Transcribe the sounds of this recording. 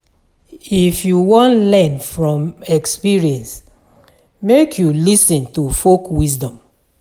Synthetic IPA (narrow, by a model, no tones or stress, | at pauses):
ifjuwɔ̃ntlɛ̃nfɹɔ̃mɛkspiɹiɛ̃ns | mekʰjulisɔ̃ntufokwisdɔ̃m